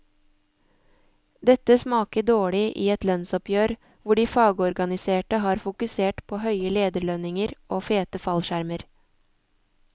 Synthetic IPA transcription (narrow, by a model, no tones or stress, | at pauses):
d̪ɛt̪əsmɑːkəd̪oːɭɪʔḭːɛt̪lœnsɔpjøːɾ | ʋʊɖiːfɑːɡəɔɾɡɑnɪseːʈəhɑːɾfʊkʉseːʈpʰoːhœʏəleːd̪əɭœnɪŋəɾʔoːfeːt̪əfɑlʃæɾməɾ